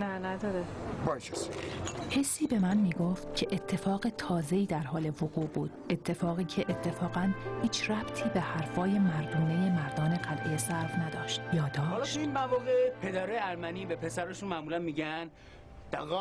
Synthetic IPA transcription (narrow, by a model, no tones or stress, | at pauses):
nænæd̪ɒɾebɒjt͡ʃe̥she̞sːiːbe̞mænmiːɡoft̪cʲʰe̞ʔet̪ʰːe̞fɒːɣe̞t̪ʰɒːze̞iːd̪æɾɦɒːle̞voɣuːʔbuːd̪̥e̞t̪ʰːe̞fɒːɣiːcʰe̞ʔet̪ʰːe̞fɒːɣænhiːt͡ʃʰræb̥t̪ʰiːbehæɾfɒːjemæɾd̪uːne̞je̞mæɾd̪ɒːne̞ɢælʔejesæɾfnæd̪ɒːʃt̪jɒːd̪ɒːlɒeinmævɒːɣepʰed̪æɾɒːjeæɾmæniːbepʰesæɾeʃunmæmuːlænmiːɟæn | d̪̥æɣɒː